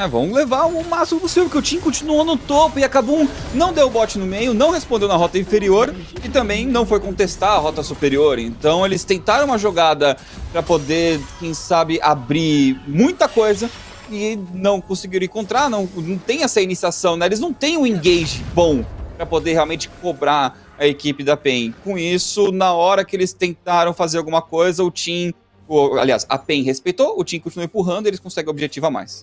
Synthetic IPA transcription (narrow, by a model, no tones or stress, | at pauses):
ɛvɐ̰̃w̃levaɾʊʊ̃masimʊpʊsivevʊɾkewt͡ʃĩɲɐkõt͡ʃinuõnʊt̪opʊɪakabũnɐ̃w̃d̪ewʊbɔt͡ʃɪnʊmejʊnɐ̃w̃hespõnd̪ewnɐɦɔt̪ɐĩfeɾioɾ | ɪt̪ɐ̃mbẽj̃nɐ̃w̃fojkõnt̪est̪aɾɐɦɔt̪ɐsupeɾioɾḛ̃nt̪ɐ̃w̃elɪst̪ẽnt̪aɾɐ̃w̃mɐʒoɡad̪ɐ | pɾɐpod̪ekẽj̃sabɪʔabɾimũj̃t̪ɐkojzɐ | ɪnɐ̃w̃kõsɪɡiɾ̃ẽkõnt̪ɾanɐ̃w̃nɐ̃w̃t̪ẽj̃ɛsɐinisiasɐ̃w̃nɛelɪznɐ̃w̃t̪ẽj̃ũĩŋɡejʒɪbõw̃pɾɐpod̪eɾɦealwmẽnt͡ʃɪ̥kobɾa | ɐekipɪd̪ɐpẽj̃kõisʊnɐɔɾɐkɪelɪst̪ẽnt̪aɾɐ̃w̃fazeɾawɡũmɐkojzɐʊt͡ʃĩ | ʊa̰lia̰sɐ̰pẽj̃ɦespejt̪oʊt͡ʃĩkõt͡ʃiuɐẽmpuɦɐ̃nd̪ʊielɪskõsɛɡẽobɪʒet͡ʃivɐma̰js